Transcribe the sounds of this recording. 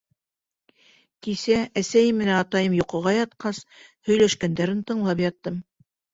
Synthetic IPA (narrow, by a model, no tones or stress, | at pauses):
kisææsæjɘmːɘ̆nænɑt̪ɑjɤmjŏqɤ̆ʁɑjɑt̪̚qɑshɵ̆jlæʃkænd̪æɾɘnt̪ɤ̆ɴlˠɑpjɑt̪ːɤm